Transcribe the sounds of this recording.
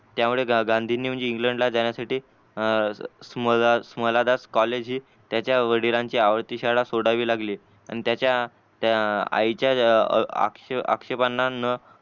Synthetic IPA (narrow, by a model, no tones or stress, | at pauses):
t̪jamuɭeɡãnd̪ʱiːniməɲd͡ʑiːŋɡləɳɖlad͡zaɳ̃jasaʈiː | sməsməlad̪askɔled͡ʑɦiː | t̪jat͡ɕjaʋəɽiɾãɲt͡ɕiːaʋəɾt̪iːɕaɽasoɽaʋiːlaɡliː | a̰ɽ̃it̪jat͡ɕja | t̪aa̰jt͡ɕjaa̰kʂea̰kʂepanːanə